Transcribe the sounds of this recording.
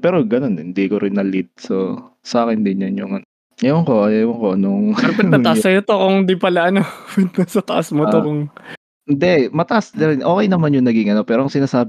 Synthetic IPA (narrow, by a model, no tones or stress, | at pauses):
pɛːɾoɡɐno̞nhɪ̰nd̪ikoɾɪnːɐlit̪̚so | sɐʔaːkɪnd̪ɪnjɐnjʊŋʔɐn | ɛwɐŋkoʔɐwɐŋkoʔɐnoŋɐɾpɐɐaʔasɐjot̪okʊŋd̪ipɐlɐɐnowɛd̪̚nɐsɐt̪ɐʔɐsmookʊŋ | ɪnd̪ɛmɐt̪ɐʔɐsd̪ɐɾɪnʔo̞ːkɛjnɐmanjʊŋnɐɡiŋʔɐno̞pɛːɾoɐŋsɪnaːsaːb